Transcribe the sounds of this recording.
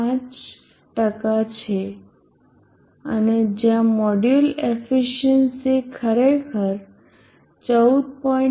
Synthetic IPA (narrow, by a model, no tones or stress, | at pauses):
ãt͡ʃ | ʈəkat͡ʃʰe | əned͡ʒjãmɔɖjulefiʃənsekʰəɾekʰəɾ | t͡ʃəud̪̚pɔĩ